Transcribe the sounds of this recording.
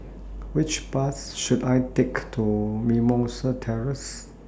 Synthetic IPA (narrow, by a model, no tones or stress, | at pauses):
wɪt͡ʃpas | ʃudajtektʰumimɔsətʰɛɹəs